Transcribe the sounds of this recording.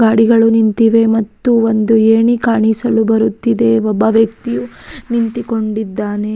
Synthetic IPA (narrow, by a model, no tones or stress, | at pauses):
ɡaːɽiɡɐɭunint̪iʋe̞mɐt̪ːuond̪ueːɳikaːɳisɐlubɐɾut̪ːid̪e̞ɔbːɐʋjɐk̚t̪ijunint̪iko̞ɳɖid̪ːaːne